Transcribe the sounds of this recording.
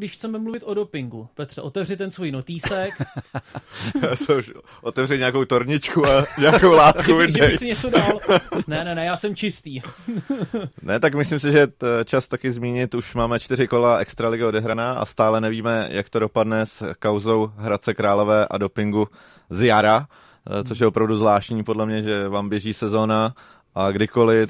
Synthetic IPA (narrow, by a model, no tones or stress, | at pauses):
ɡdɪʃxt͡sɛmɛmluvɪt̪ʔodopɪŋɡupɛt̪r̥ɛʔo̞t̪ɛvrɪt̪ɛnsvojnot̪iːsɛk | sɛuʃ | ʔot̪ɛvrɪɲɛakowt̪o̞ɾɲɪt͡ʃkuaɲɛakowlaːt̪kuvɪddɛjsɪɲɛt͡sodalnɛnɛnɛjaːsɛmt͡ʃɪst̪iː | nɛt̪akmɪslims̬ɪʒɛt͡ʃast̪akɪzmiːɲɪt̪uʃmaːmɛt͡ʃt̪ɪɾɪko̞laʔɛkst̪ɾalɪɡɪo̞dɛɦɾanaːʔa̰st̪aːlɛnɛviːmɛjʔakt̪o̞do̞padnɛskawzo̞wɦɾat͡sɛkɾaːlo̞vɛːʔa̰do̞pɪŋɡu | zjaɾa | t͡soʃ̬jɛopɾavduzvlaːʃtɲiːpo̞dlɛmɲɛʒɛvaːmbjɛʒiːsɛzo̞ːna | ʔaɡdɪko̞lɪ